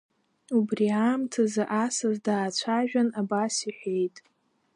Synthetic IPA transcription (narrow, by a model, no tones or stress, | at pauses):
ubriaːmtʰazaʔasazdaːt͡ɕʷʰaʒᶣanabasiħʷᶣe̞jtʼ